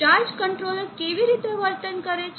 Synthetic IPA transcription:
aɾd͡ʒkəɳʈɾoləɾkeʋiɾit̪eʋəɾt̪ənkəɾet͡ʃʰ

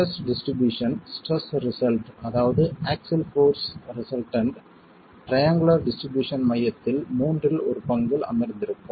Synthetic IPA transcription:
ɐsɖɪsʈɾɪbjuːʂɐnsʈɐsɾɪsɐlʈɐðaːʋɐðɯaːksɪlfoːɾsɾɪsɐlʈɐɳɖ | ʈɾɐjaːŋɡʊlɐɾɖɪsʈɾɪbjuːʂɐnmɐjːɐt̪ːɪlmuːndrɪlɔɾɯpɐŋɡɐlɐ̰mɐɾnd̪ɪɾɯpːɐ

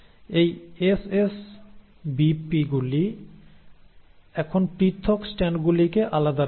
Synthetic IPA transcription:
ejeses | bipiɡuli | ɛkʰonpɾit̪ʰːoksʈɛnɖɡulikeʔalad̪a

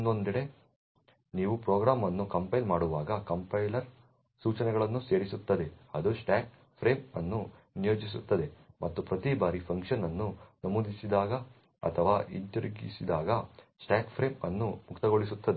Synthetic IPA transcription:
nd̪ond̪iɽe̞ | niːʋupɾoːɡɾaːmɐnːukɐmpɐjlmaːɽuʋaːɡɐkɐmpɐjlɐɾ | suːt͡ʃɐnɛɡɐɭɐnːuse̞ːɽisut̪ːɐd̪e̞ɐd̪usʈaːk̚ | pʰɾe̞ːmɐnːu | nijoːd͡ʒis̬ut̪ːɐd̪e̞mʔɐt̪ːupɾɐt̪ibaːɾipʰɐŋkʂɐnɐnːunɐmuːd̪ʱisid̪aːɡɐ | ɐ̰t̪ʰɐʋaːʔinʈɐɾɡḭsid̪aːɡɐsʈaːkpʰɾeːmɐnːumukt̪ɐɡoɭisut̪ːɐd̪e

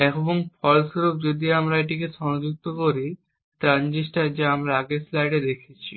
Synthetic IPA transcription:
ɛkboŋfʰɔlsɡɾup̚d͡ʑod̪iamɾaeʈikeʃɔnod͡ʑuk̚t̪okoɾi | ʈɾand͡ʑisʈad͡ʑaamɾaaɡeslajɖed̪ekʰet͡ɕʰi

